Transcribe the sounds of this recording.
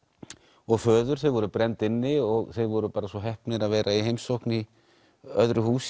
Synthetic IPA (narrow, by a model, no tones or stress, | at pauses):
ɔɣfœːðʏɾ̥θejvɔɾʏpɾɛnt̪ɪnːɪɔɣθejðvɔɾʏpaːɾasvɔɦɛhpnɪɾaðvɛːɾʔaiɦejmsowhkni | œðɾʏhuːs